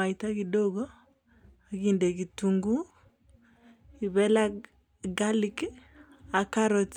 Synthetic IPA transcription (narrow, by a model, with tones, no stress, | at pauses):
a˨ita˦kido˦ɡɔ˦ | a˨ɡinde˨ɡi˨tuŋɡu˦ | i˨βɛ˦la˦ | ɡa˦li˦k | a˨ka˦ɾot